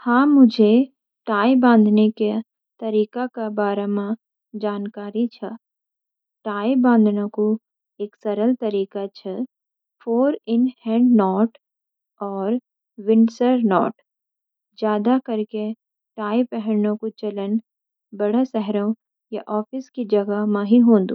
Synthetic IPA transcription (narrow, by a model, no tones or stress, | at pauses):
hãːmʊd͡ʒʱe | ʈaːibãːnd̪ʱneke | t̪ɐɾiːkakabaːɾamã | d͡ʒaːnkaːɾit͡ʃʰa | ʈaːibãːnd̪ʱnõko | eːksɐɾəlt̪ɐɾiːkat͡ʃʰə | fʰoːɾɪnhɛ̃ːɳɖnɔːʈ | ɔːɾ | wɪ̃ɳsəɾnɔːʈ | d͡ʒjaːd̪akɐɾke | ʈaːipɛɦəɾnõkut͡ʃɐlən | bɐɽasɛɦɾõ | jaʔɔːfɪskid͡ʒɐɡamãɦiɦõːnd̪ṵ̃ː